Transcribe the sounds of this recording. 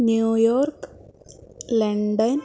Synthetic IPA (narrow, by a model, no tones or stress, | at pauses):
njuːjoːrk | leɳɖɐn